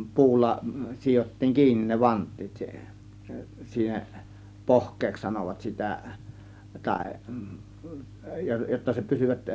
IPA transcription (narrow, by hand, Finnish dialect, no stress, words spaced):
puːlːɑ sijotːiːŋ kiːnːin ne ʋɑntˑiːt siːhe̥n̥ siːheʔ pohkˑeːks sɑnoʋɑt sitæ tɑˑe̝ jotːɑ se pysyʋæt